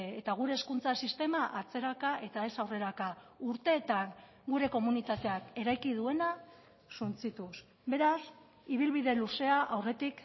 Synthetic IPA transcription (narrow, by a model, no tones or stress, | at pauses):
et̪aɣ̞uɾe̞ːskunt͡sasist̪e̞maʔat͡se̞ɾakaʔe̞t̪ae̞sawre̞ɾakauɾt̪e̞ːt̪aŋ | ɡuɾe̞ko̞munit̪at̪e̞ake̞ɾajkið̞ue̞na | sunt͡sit̪us | be̞ɾas | iβ̞ilβiðe̞luse̞aʔawre̞t̪ik